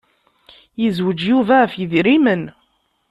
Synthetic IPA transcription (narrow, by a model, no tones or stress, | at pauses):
jəzwəd͡ʒjuvæfjəðɾimən